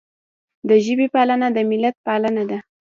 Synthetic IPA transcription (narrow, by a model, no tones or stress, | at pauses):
d̪əʒəbepɑlanad̪əmɪlat̪̚pɑlanad̪a